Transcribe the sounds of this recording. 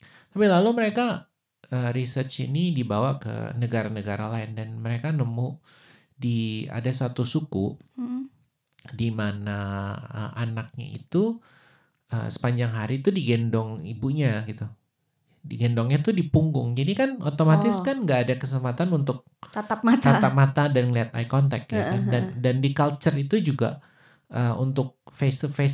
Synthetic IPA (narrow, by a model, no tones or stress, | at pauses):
t̪apilaluməɾeka | əɾisərt͡ʃḭnidibawakə̰nəɡaɾanəɡaɾalaɪndanməɾekanəmu | dia̰dasat̪usukuʔ | dimanaə̰ʔanak̚ɲa̰ḭt̪u | ʔə̰sə̥paɲd͡ʒaŋɦaɾit̪udiɡɛndɔŋibuɲaɡit̪u | diɡɛndɔŋɲat̪udipuŋɡʊŋd͡ʒadikanot̪omat̪ɪskanŋɡaːdakəsəmpat̪anunt̪ʊk̚at̪ap̚at̪at̪ap̚mat̪adanliat̪a̰jkɔnt̪ɛ̰k̚jakandandandikalt͡ʃərit̪ud͡ʒuɡa̰ | ʔəṵnt̪ʊk̚fesfe